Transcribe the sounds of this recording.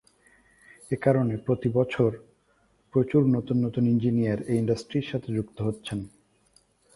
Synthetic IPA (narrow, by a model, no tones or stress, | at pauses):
ekaɾonepɾot̪ibɔt͡ɕʰoɾ | pɾot͡ɕuɾnot̪unːot̪unind͡ʑinijaɾeiɳɖasʈɾiɾʃat̪ʰed͡ʑukt̪oɦotːɕʰen